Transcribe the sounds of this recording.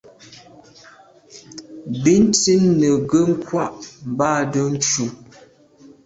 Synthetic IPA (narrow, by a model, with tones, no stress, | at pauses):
bi˦n̩˦ti˦nːə˨ɡə˦ŋ̩˦kwa˦˨ʔm̩˨baː˦˨də˦n̩˦t͡ʃu˨